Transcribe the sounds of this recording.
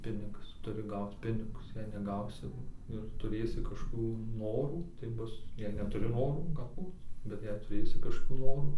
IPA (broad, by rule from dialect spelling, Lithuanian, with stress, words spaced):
ˈpʲɪnʲɪɡɐs ˈtʊrʲɪ ˈɡɐʊt͡s ˈpʲɪnʲɪɡʊs jɛɪ nʲɛˈɡɐʊsʲɪ ɪr tʊˈrʲeːsʲɪ kɐʃkoːˈkʲuː ˈnoːruː tɐɪ ˈbʊs jɛɪ nʲɛtʊˈrʲɪ ˈnoːruː ɡɐlˠˈbuːt bʲɛt ˈjɛɪ tʊˈrʲeːsʲɪ kɐʃkoːˈkʲuː ˈnoːruː